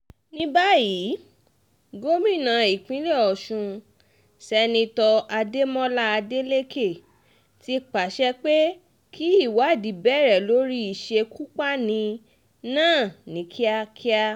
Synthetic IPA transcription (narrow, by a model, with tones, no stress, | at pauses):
nĩ˦ba˦ji˨˦ | ɡo˦mĩ˦˨nã˨˧˨i˨k͡pĩ˨˦lɛ˦˨ɔ˨ʃũ˧ | sɛ˧nĩ˧tɔ˧a˧de˦mɔ̃˦la˦a˧de˦le˦ke˦˨ | ti˦k͡pa˨ʃɛ˦k͡pe˦ | kʰi˦i˦˨wa˨˦˨di˨bɛ˦˨ɾɛ˨lo˨˦ɾi˦i˦˨ʃe˧kʰu˦k͡pa˦nĩ˧ | nãː˦˨nĩ˨˦kʰi˦a˧kʰi˦a˦˧